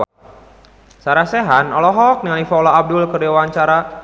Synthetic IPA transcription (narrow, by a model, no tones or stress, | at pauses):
saɾasɛɦanɔlɔɦɔk̚nialifaɔlɔab̚dʊlkərawaɲt͡ʃaɾa